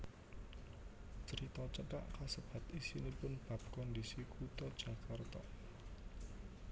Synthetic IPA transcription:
t͡ʃəɾit̪ɔt͡ʃəʈa̰ʔkasəb̥ä̤t̪isinipʊnb̥ä̤b̚kɔndisikut̪ɔd̥ʒ̥ä̤kart̪ɔʔ

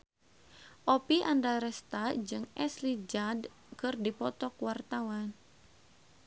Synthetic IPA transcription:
ʔɔpiʔandaɾɛst̪ad͡ʒɨŋɛslid͡ʒad | kɨrdipɔt̪ɔkwart̪awan

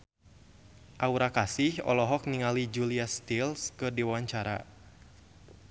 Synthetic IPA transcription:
ʔauɾakasɪhɔ̰lɔɦɔk̚niŋalid͡ʒuliast̪ilskɨdiwawaɲt͡ʃaɾa̰

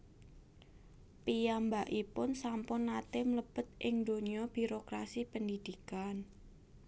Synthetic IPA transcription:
pijambaʔipʊnsampʊnːat̪ɪmləb̥ə̤t̪̚ʔɪŋd̪oniɔb̥i̤ɾokɾasipənd̪id̪̥i̤kan

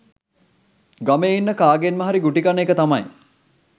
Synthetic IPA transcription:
ɡameːinːəkaːɡenməɦaɾiɡuʈikanekət̪amaj

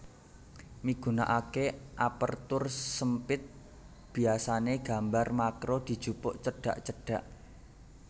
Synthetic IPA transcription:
miɡ̥ṳna̰ʔakeʔapə̰rt̪ʊrsəmpɪt̪̚ | b̥i̤asaneɡ̥a̤mbarmakɾod̪̥i̤d̥ʒ̥upʊʔt͡ʃəɖ̥a̤ʔt͡ʃəɖ̥a̤ʔ

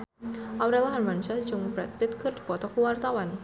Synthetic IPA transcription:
ʔawɾɛlaɦarmanʃad͡ʒʊŋbɾat̪̚pɪt̪̚kɨrdipɔt̪ɔkəwart̪awan

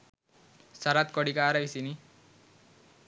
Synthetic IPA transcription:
saɾat̪kɔɽikaːɾaisini

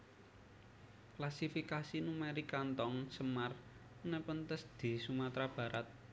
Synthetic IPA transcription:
klasifikasinumɛɾikant̪ɔŋsəmar | nɛpənt̪əsd̪̥i̤sumat̪ɾab̥ä̤ɾat̪̚

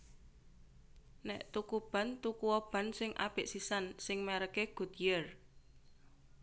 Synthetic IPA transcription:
nɛ̰ʔt̪ukub̥a̤nt̪ukuwɔb̥ä̤nsɪŋʔa̰peʔsisansɪŋmeɾəkeɡ̥ṳt̪ijər

